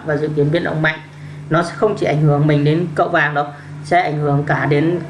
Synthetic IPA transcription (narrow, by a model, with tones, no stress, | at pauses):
vaː˨˩zɨ̰˧˨k̪i˨˦ənvḭ˧˩ənʔə̰˧wŋ͡mma̰˧˨jŋ̟ | nɔ˨˦sɛ̰˧˥xə˧wŋ͡mt͡ɕi˧˩ʔa˧˩jŋ̟hɨ˧˩əŋmi˨˩ŋ̟ɗe˨˦nkə̰˧˨wvaː˨˩ŋɗɨ˨˦w̚ | sɛ̰˧˥ʔa˧˩jŋ̟hɨ˧˩əŋkaː˧˩ɗe˨˦n